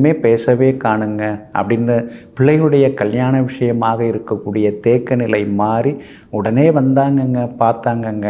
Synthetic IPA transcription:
meːpeːsɐʋeːkaːɳɯŋɡɐʔɐ̰pːɐɽɪnɐpɪɭːɐɪɯɽɐjɐkɐljaːnɐʋɪʂɐjɐmaːɣɐɪɾɯkːɐkːuːɽɪjɐt̪eːkːɐnɪlɐɪmaːɾi | ʊɽɐneːʋɐnd̪aːŋɡɐŋɡɐpaːɾt̪aːŋɡɐɐŋɡɐ

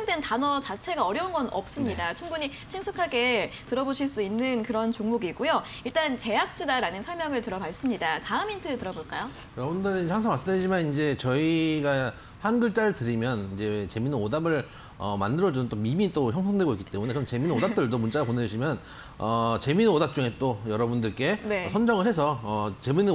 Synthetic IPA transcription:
ŋdwentanʌt͡ɕat͡ɕʰe̞ɡaʌɾjʌunɡʌnʌp̚s͈ɯmɲidat͡ɕʰuŋbuɲi | t͡ɕʰinsʰukʰaɡe̞tɯɾʌboɕʰiɭs͈uinːɯnkɯɾʌnt͡ɕoŋmuɡiɡujo | iɭt͈ant͡ɕe̞jak̚t͡ɕ͈udaɾanɯnsʰʌɭmjʌŋɯɭtɯɾʌbas͈ɯmɲidataɯmintʰɯtɯɾʌboɭk͈ajo | kɯɾʌbundɯɾinehaŋsʰaŋmas͈ɯmdid͡ʑimanind͡ʑe̞t͡ɕʌiɡa | hanɡɯɭt͡ɕ͈aɾɯtɯɾimjʌnind͡ʑe̞t͡ɕe̞minɯnodabɯɭ | ʌmandɯɾʌd͡ʑunɯnt͈omimit͈oçjʌŋsʰʌŋdwe̞ɡoik͈i̥t͈e̞munekɯɾʌnt͡ɕe̞minodapt͈ɯɭdomunt͡ɕ͈aɾaponeuɕʰimjʌn | ʌt͡ɕe̞minodap̚t͡ɕ͈uŋe̞t͈ojʌɾʌbundɯɭk͈e̞ne̞sʰʌnd͡ʑʌŋɯɭhe̞sʰʌʌt͡ɕe̞minɯ

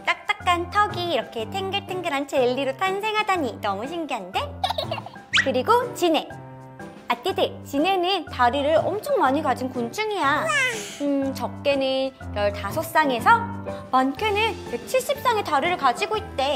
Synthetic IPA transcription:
t͈ak̚t͈ak̚k͈antʰʌɡiːɾʌkʰe̞tʰeŋɡɯɭtʰeŋɡɯɾant͡ɕʰeɭːiɾotʰansʰe̞ŋɦadaɲinʌmuɕ̬ʰimɡiɦande̞ | kɯɾiɡot͡ɕine̞ | at̚k͈idet͡ɕine̞nɯntaɾiɾɯɭʌmt͡ɕʰʌŋmaɲikad͡ʑinkunt͡ɕʰɯŋija | ɯt͡ɕʌk̚k͈e̞nɯnɡʌɭtasʰʌs͈aŋe̞sʰʌmankʰenɯnket͡ɕʰiɭɕ͈ip̚s͈aŋe̞taɾiɾɯɭkad͡ʑiɡoit̚t͈e̞

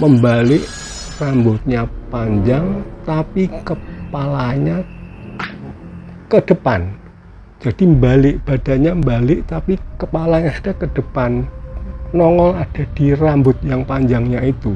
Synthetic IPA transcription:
məmbalɪʔ | rambʊt̪̚ɲapaɲd͡ʒaŋt̪apikəpalaɲa | kəd̥əpan | d͡ʒ̥ad̥imbalɪʔb̥ad̥a̤ɲambalɪʔt̪apikəpalaɲasd̥akəd̥əpanː | ɔŋɔlad̥a̤d̥irambʊt̪̚jaŋpaɲd͡ʒaŋɲait̪u

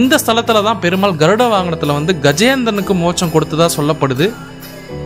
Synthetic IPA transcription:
nd̪ɐst̪ʰɐlɐt̪ːɯlɐðãːpɛɾɯmaːlɡɐɾɯɽɐʋaːŋɡɐɳɐt̪ːɯlɐʋɐnd̪ɯɡɐd͡ʒɐjɐnd̪ɐɾɐnɯkːɯmoːt͡ʃːɐmkɔɽɯt̪ːɯðaːsɔlːɐpːɐɽɯðɯ

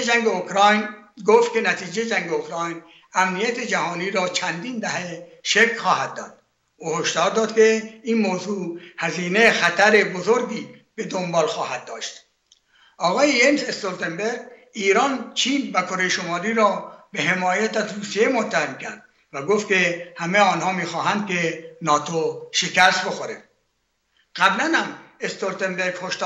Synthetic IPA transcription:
ed͡ʒæŋɟeokʰɾɑːjnɡoft̪̚kʰʲe̞næt̪ʰiːd͡ʒejd͡ʒæŋɟeokɾɑːjn | æmnijæt̪ʰed͡ʒæhɒːniːɾɒːt͡ʃʰænd̪iːnd̪æheʃekʰχɒːhæd̪̚ːɒːd̪̥̚ | ʔuːhoʃd̪ɒːɾd̪ɒːd̪kʲʰe̞inmoːzuːhæziːnexæt̪ʰæɾe̞bozo̞ɾɡiː | b̥e̞d̪o̞mbɒːlxɒːhæd̪̚ːɒːʃt̪ | ʔɒːɣɒːjejensest̪oɾt̪ʰembeɾɡ | iːɾɒːnt͡ʃʰiːnvækʰo̞ɾe̞jeʃomɒːliːɾɒːbe̞ɦe̞mɒːjæt̪æzruːsije̞mot̪ʰːæhemcʰæ̰ɾd̪̥̚ | væɡoft̪̚kʲʰe̞hæmeɒːnhɒːmiːxɒːɦænd̪̚kʰe̞nɒːt̪ʰoʃekæst̪bo̞xoɾe | ɣ̥æblænhæmest̪oɾt̪embe̞ɾɡhoʃt̪ː

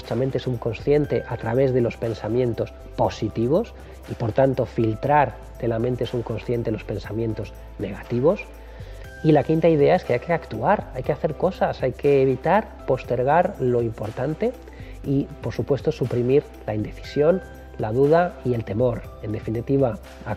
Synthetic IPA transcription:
st͡ʃament̪esuŋko̞nsθje̞nt̪e̞ʔat̪ɾaβe̞zðe̞lo̞spe̞nsamjẽ̞nt̪o̞s | po̞sit̪iβ̞o̞s | ipo̞ɾt̪ant̪o̞filt̪ɾaɾ | t̪e̞lamẽ̞nt̪esuŋko̞nsθje̞nt̪e̞lo̞spe̞nsamjẽ̞nt̪o̞z | ne̞ɣ̞at̪iβ̞o̞s | ilakint̪aið̞e̞ae̞skeajkeakt̪uaɾajkeaθe̞ɾko̞sasajke̞ːβ̞it̪aɾ | po̞st̪e̞ɾɣ̞aɾlo̞impo̞ɾt̪ant̪e̞ | ipo̞ɾsupwe̞st̪o̞supɾimiɾ | laind̪e̞θi̥sjo̞n | laðuð̞aie̞lt̪e̞mo̞ɾ | e̞nd̪e̞finit̪iβ̞a | a

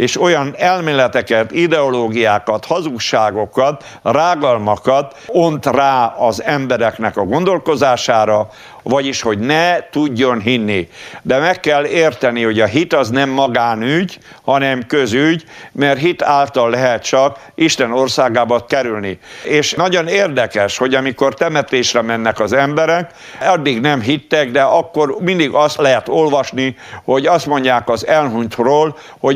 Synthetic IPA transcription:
eːʃo̞jɒnɛlmeːlɛt̪ɛkɛt̪id̪ɛoloːɡijaːkɒt̪hɒzukʃaːɡo̞kɒt̪ | raːɡɒlmɒkɒt̪ | ont̪raːɒzɛmbɛɾɛknɛkɒɡo̞nd̪o̞lko̞zaːʃaːɾɒ | vɒɟiʃho̞ɟnɛt̪uɟːo̞nɦinːid̪ɛmɛkːɛlːeːrt̪ɛniho̞ɟɒɦit̪ɒznɛmːɒɡaːnyɟ | hɒnɛmkøzyɟmɛrt̪ɦit̪aːlt̪ɒlːɛɦɛt̪t͡ʃɒk | ʔiʃt̪ɛnorsaːɡaːbɒt̪kɛɾylnieːʃnɒɟo̞neːrd̪ɛkɛʃho̞ɟɒmiko̞rt̪ɛmɛt̪eːʃrɛmɛnːɛkɒzɛmbɛɾɛk | ɒd̪ːiɡnɛmɦit̪ːɛɡd̪ɛɒkːo̞rmind̪iɡɒst̪lɛɦɛt̪o̞lʋɒʃni | ho̞ɟɒst̪mo̞ɲɟaːkɒzɛlɦunt̪roːl | ho̞

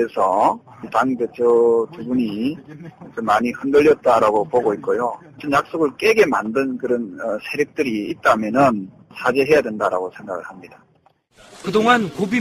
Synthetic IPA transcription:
esʰʌ | taŋbet͡ɕʰotubuɲi | kɯmaɲihɯndɯʎːjʌt̚t͈aɾaɡopoɡoik̚k͈ojo | t͡ɕʌnjak̚s͈oɡɯɭk͈e̞ɡe̞ma̰ndɯnkɯɾʌnʌsʰeɾjɯk̚t͈ɯɾiːt̚t͈amjʌnɯn | sʰad͡ʑeɦe̞jadwe̞ndaɾa̰ɡosʰe̞ŋɡaɡɯɭhamɲid̥a | kɯdoŋankobi

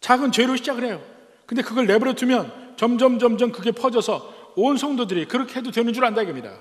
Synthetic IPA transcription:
t͡ɕaɡɯnt͡ɕweɾoɕʰid͡ʑaɡɯɭhe̞jo | kɯnde̞kɯɡʌɭne̞bɯɾʌtʰɯmjʌnt͡ɕʌmd͡ʑʌmd͡ʑʌmd͡ʑʌnkɯɡe̞pʰʌd͡ʑʌsʰʌonsʰʌŋdodɯɾikɯɾʌkʰeɦe̞dodwenɯnd͡ʑuɾɭandaeɡɯmɲida̰

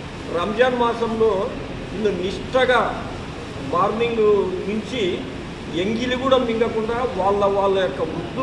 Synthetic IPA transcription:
ɾamd͡ʒaːnmaːsɐmlo̞ː | ind̪uniʂʈɐɡaː | maːɾniŋɡuniɲt͡ʃi | eŋɡiliɡuːɽɐmːiŋɡɐkuɳɖaːʋaːɭːɐʋaːɭːɐjokːɐɡud̪ːu

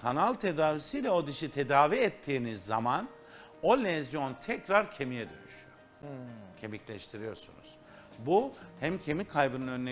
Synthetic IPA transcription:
kʰanalˠt̪ʰe̞d̪aːvisijlʲɛo̞d̪iʃit̪ʰe̞d̪aːviɛt̪ʰːiːnizːa̰man | o̞lʲɛzjo̞nt̪ʰɛcɾaɾcʰe̞mijɛd̪ø̰nyʃyjo | cʰe̞miclʲɛʃt̪ʰiɾijo̞ɾsunṵz̥ | buhæmcʰe̞mikʰajbɯnɯnø̞nːʲe

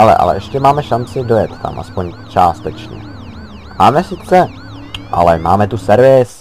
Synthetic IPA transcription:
alɛ̰ʔa̰lɛ̰ʔɛʃcɛmaːmɛʃant͡sɪdojɛt̪ːa̰mʔa̰spoɲt͡ʃa̰ːst̪ɛt͡ʃɲɛ̰ | maːmɛsɪt͡sɛ | ʔa̰lɛma̰ːmɛt̪usɛɾvɪs

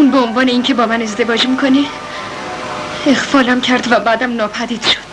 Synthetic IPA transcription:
uːnbeonvɒːneiːncʰe̞bɒːmæne̞zd̪e̞vɒːd͡ʒmikʰo̞ne | exfɒːlæmcʰæɾd̪væbæːd̪æmnɒːpʰæd̪iːd̪̥ʃo̥d̪̥

